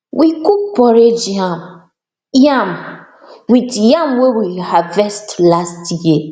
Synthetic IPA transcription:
wikuk̚pɔɾed͡ʒam | jam | witjamwewihavɛstlastji

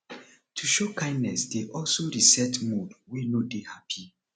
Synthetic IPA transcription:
tʰuʃokãɪ̃ndnɛsdeʔɔlsoɹisɛtmudwinodehapʰi

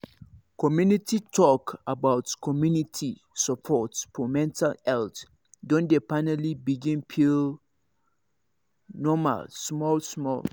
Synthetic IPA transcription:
kʰɔmjũnitʰitʰɔkabaʊtkʰɔmjũnitʰi | sɔpʰɔtsfɔmɛ̃ntʰalɛlt | dɔ̃ndepanalibiɡĩnpʰil | nɔma̰lsmɔlsmɔ̰l

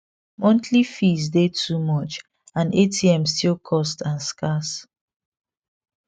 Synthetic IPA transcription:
mɔ̃ntʰlifizdetʰumɔt͡ʃ | ãnetʰiɛ̃mstilˠkʰɔstãnskas

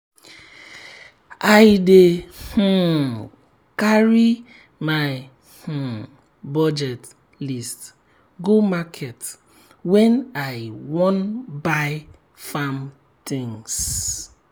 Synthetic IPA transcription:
aɪdeh̩ | kaɾi | maɪ | h̩ | bɔd͡ʒɛt | list | ɡomakʰɛt | wɛnaɪwɔnbaɪ | fam | tɪ̃ŋs

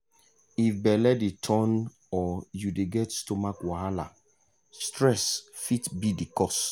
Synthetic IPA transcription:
ifbɛlɛdetʰɔ̃n | ɔjudeɡɛtstomakwahala | stɹɛsfitbidikɔs

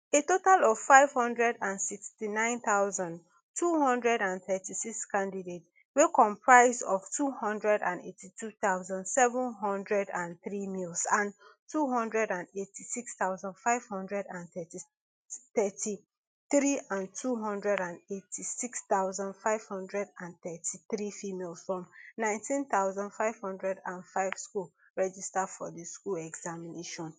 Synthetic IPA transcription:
etotalɔv̥faɪv̥hɔ̃ndɹɛdãnsikstinãɪ̃nθaʊzãnd | tʰuhɔ̃ndɹɛdãnθɛtisikskãndidet | wekɔ̃mpʰɹaɪzdɔv̥tʰuhɔ̃ndɹɛdã̰ndḛtʰitʰuθaʊzãndsɛvũnɦɔ̃ndɹɛdãnθɹimilsãntʰuɦɔ̃ndɹɛdãndetʰisikstaʊzãndfaɪv̥hɔ̃ndɹɛdãnθɛti | θɛtʰi | θɹiãntʰuɦɔ̃ndɹɛdãnetʰisikst̪aʊzãndfaɪv̥hɔ̃ndɹɛdãnθɛtʰiθɹifimelsfɹɔ̃mnãɪ̃ntʰĩnθaʊzãndfaɪv̥hɔ̃ndɹɛdãnfaɪv̥skul | ɹɛd͡ʒistadfɔ̰diskulɛɡz̥amineʃɔ̃n

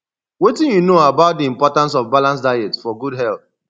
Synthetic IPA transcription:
wetĩnjunoabaʊt̚diĩmpɔtãns̬ɔvbalãns̬daɪɛtfɔɡudɦɛlθ

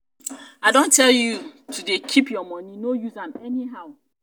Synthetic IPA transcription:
aɪdõntʰɛljutʰudekʰipjɔmɔ̃nĩnojuzãmɛniɦaʊ

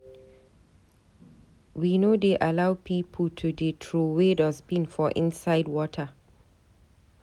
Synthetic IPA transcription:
winodeʔalawpʰiːpʰəltʰudetʰɹuwedɔzbĩnfɔʔḭ̃nsaɪdwɔtʰə

